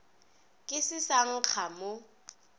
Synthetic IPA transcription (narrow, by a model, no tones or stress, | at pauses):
kʼɪsɪsaŋ̩k͡xʰamʊ